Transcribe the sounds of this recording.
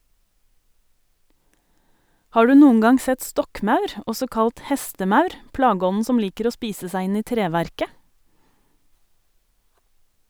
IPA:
ˈhɑː ˈɖʉː ˈnuːəŋ ˈɡɑŋ ˈsɛt ˈstɔkˌmɑʉɾ ˈɔsɔ ˈkɑlt ˈhɛstəˌmɑʉɾ ˈplɑːˌɡɔnn̩ ˈsɔm ˈliːkəɾ ˈoː ˈspiːsə ˈsæɪ ˈɪn ˈiː ˈtɾeːˌʋæɾkə

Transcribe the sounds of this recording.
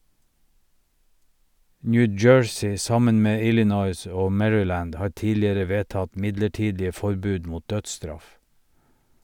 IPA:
ˈnjʉ ˈd͡ʒøːɹsɪ ˈsɑmən ˈmeː ˈɪlɪnɔʏs ˈoː ˈmɛɹʏˌlæːnd ˈhɑːɾ ˈtiːlɪəɾə ˈʋeːˌtɑt ˈmɪdləˌʈiːdɪə ˈfɔɾˌbʉːd ˈmuːt ˈdœdˌstɾɑf

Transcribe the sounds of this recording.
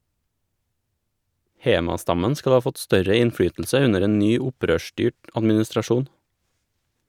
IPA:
ˈheːmɑˌstɑmən ˈskɑl ˈɑː ˈfɔt ˈstœɾə ɪnˈfɽyːtʎ̩sə ˈʉnəɾ ˈeːn ˈnyː ˈʊˌpɾøːˌʃʈyːʈ ɑdmɪnɪstɾɑˈʃuːn

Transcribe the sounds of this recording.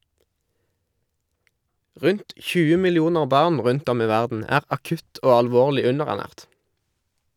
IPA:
ˈʁʉnt ˈçʉːə mɪlɪˈuːnəʁ ˈbɑːʁn ˈʁʉnt ˈɔm ˈiː ˈʋæʁdn̩ ˈæːʁ ɑˈkʉt ˈoː ɑlˈʋoːʁlɪ ˈʉnəʁæʁˌnæːʁt

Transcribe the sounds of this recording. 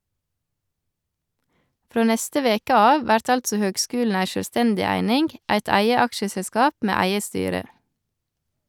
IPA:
ˈfɾoː ˈnɛstə ˈʋeːkə ˈɑːʋ ˈʋæɾt ˈɑltsɔ ˈhøːɡˌskʉːln̩ ˈæɪ ʃœlˈstɛndɪ ˈæɪnɪŋɡ ˈæɪt ˈæɪə ˈɑkʃəsɛˌskɑːp ˈmeː ˈæɪə ˈstyːɾə

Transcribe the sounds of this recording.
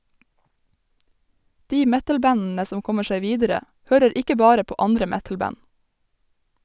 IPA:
ˈdiː ˈmɛtəlˌbænn̩ə ˈsɔm ˈkɔmə ˈʃeɪ ˈʋiːdəɾə ˈhøːɾəɾ ˈɪkə ˈbɑːɾə ˈpoː ˈɑndɾə ˈmɛtl̩ˌbæn

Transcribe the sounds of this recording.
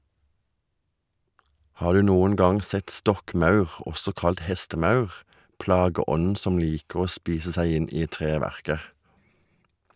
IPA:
ˈhɑː ˈɖʉː ˈnuːən ˈɡɑŋ ˈsɛt ˈstɔkˌmɑʉʁ ˈʔɔsɔ ˈkɑlt ˈhɛstəˌmɑʉʁ ˈplɑːɡəˌɔnn̩ ˈsɔm ˈliːkəʁ ˈoː ˈspiːsə ˈsæɪ ˈɪn ˈiː ˈtʁeːʋæʁkə

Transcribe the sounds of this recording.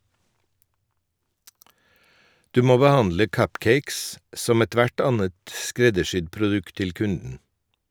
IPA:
ˈdʉː ˈmoː bəˈhɑndlə ˈkʌpˌkeɪks ˈsɔm ɛˈtʋæʈ ˈɑnət ˈskɾɛdəˌʃʏd pɾʊˈdʉkt ˈtɪl ˈkʉndn̩

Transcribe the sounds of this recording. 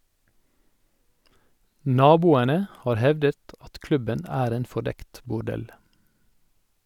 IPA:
ˈnɑːbuːənə ˈhɑːɾ ˈhɛʋdət ˈɑt ˈklʉbən ˈæːɾ ˈeːn fɔˈɖɛkt bʊˈɖɛl

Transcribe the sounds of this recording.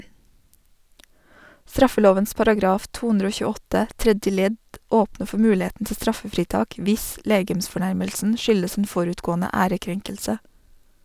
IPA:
ˈstɾɑfəˌloːʋəns pɑɾɑˈɡɾɑːf ˈtuː ˈʉndɾ ˈoː çʉːˈɔtə ˈtɾɛdjə ˈlɛd ˈoːpnə ˈfɔ ˈmʉːˌleːtn̩ ˈtɪ ˈstɾɑfəfɾiːˌtɑːk ˈʋɪs ˈleːɡəmsfɔˌɳæɾməlsn̩ ˈʃʏləs n̩ ˈfɔɾʉːtˌɡoːnə ˈæːɾəˌkɾɛŋkəlsə

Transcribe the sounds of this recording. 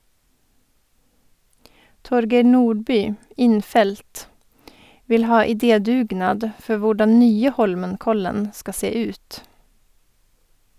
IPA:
ˈtɔɾɡeɪ ˈnuːɖˌbyː ˈɪnˌfɛlt ˈʋɪl ˈhɑː ɪˈdeːˌdʉːˌɡnɑːd ˈfɔ ˈʋʊɖɑn ˈnyːə ˈhɔlmənˌkɔlən ˈskɑ ˈseː ˈʉːt

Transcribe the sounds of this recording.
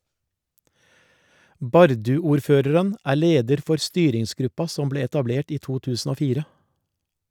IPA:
ˈbɑɾdʉuːɾˌføːɾəɾən ˈæː ˈleːdəɾ ˈfɔɾ ˈstyːɾɪŋsˌɡɾʉpɑ ˈsɔm ˈbleː ɛtɑˈbleːʈ ˈiː ˈtuː ˈtʉːsn̩ ˈoː ˈfiːɾə

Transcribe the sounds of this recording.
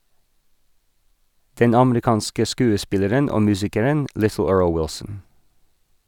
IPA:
ˈdɛn ˈɑmɾɪˌkɑːnskə ˈskʉːəˌspɪləɾən ˈoː ˈmʉːsɪkəɾən ˈʔlɪθl̩ ˈɜːɹl ˈwɪlsn̩

